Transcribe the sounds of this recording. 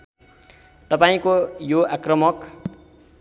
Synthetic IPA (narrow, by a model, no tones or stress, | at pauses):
t̪ʌpaĩkojoakrʌmʌk